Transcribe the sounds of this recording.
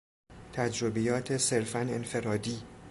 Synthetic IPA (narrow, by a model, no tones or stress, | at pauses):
t̪ʰæd͡ʒɾobejɒːt̪ʰe̞se̞ɾfæne̞nfe̞ɾɒːd̪iː